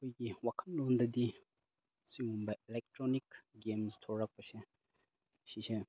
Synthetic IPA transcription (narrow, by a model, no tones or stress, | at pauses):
kojɡiwakʰɐnlondɐdi | siŋumbɐʔilek̚tɾonikɡemstʰoɾːak̚pɐse | sise